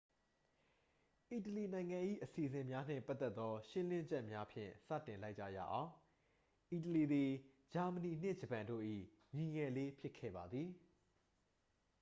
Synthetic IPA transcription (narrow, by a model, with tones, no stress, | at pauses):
ʔi˨təli˨nã˨ɪ̃ŋã˨ʔḭ˦˨ʔəsi˨əzɪ̃˨mja˦n̥ɪ̰̃˦˨pa˦t̪ːɛ˦t̪ːɔ˦ʃɪ̃˦lɪ̃˦ɲd͡ʑɛ˦ʔmja˦pʰjɪ̰̃˦˨sä̰˦˨tɪ̃˨la˦ɪʔt͡ɕːa̰˦˨ja̰˦˨ʔã˨ʊ̃ | ʔi˨t̬əli˨d̪i˨ | d͡ʑa˨mə˨ni˨n̥ɪ˦˨d͡ʑə˨pã˨ndo̰˦˨ʔḭ˦˨ | ɲi˨ɲɛ˨le˦pʰjɪ˦˨kʰːɛ̰˦˨ba˨d̪ði˨